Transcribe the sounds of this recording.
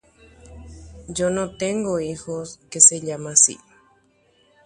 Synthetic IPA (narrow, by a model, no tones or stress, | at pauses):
d͡ʒonõt̪eŋɡoixoskeseʎamasḭ